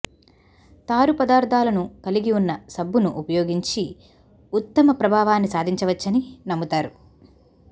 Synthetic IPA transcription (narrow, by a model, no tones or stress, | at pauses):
t̪aːɾupɐd̪aːɾd̪ʰʱaːlɐnukɐliɡiunːɐsɐbːunuʔupɐjoːɡiɲt͡ʃi | ut̪ːɐmɐpɾɐbʱaːʋaːnːisaːd̪ʱiɲt͡ʃɐʋɐt͡ʃːɐninɐmːut̪aːɾu